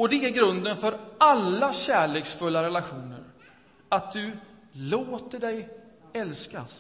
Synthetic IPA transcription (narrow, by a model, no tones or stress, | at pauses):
ɔd̪ɛæɾɡɾɵnd̪ənfœɾalːaɕæːɭeːksfɵlːaɾɛlaɧuːnə̰ɾ | at̪̚d̪ɵ | loːt̪əɖɛj | ɛlskas